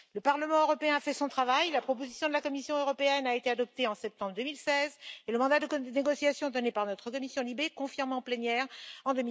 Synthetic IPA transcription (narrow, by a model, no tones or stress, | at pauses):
ləpaʁləmɑ̃øʁɔpeɛ̃afɛsɔ̃t̪χavajlapχɔpozisjɔ̃d̪əlakɔmisjɔ̃øʁɔpeɛnaet̪ead̪ɔp̚t̪eɑ̃sɛp̚t̪ɑ̃bʁd̪ømilsɛzeləmɑ̃d̪ad̪əneɡɔsjasjɔ̃d̪ɔnepaʁnɔt̪χəkɔmisjɔ̃libekɔ̃fiʁmɑ̃plenjɛʁɑ̃d̪ømi